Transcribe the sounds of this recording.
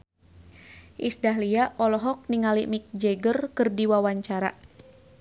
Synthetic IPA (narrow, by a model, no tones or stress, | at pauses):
ʔisdaɦliaʔɔlɔɦɔk̚niŋalimik̚d͡ʒeɡərkɨrdiwawaɲt͡ʃaɾa̰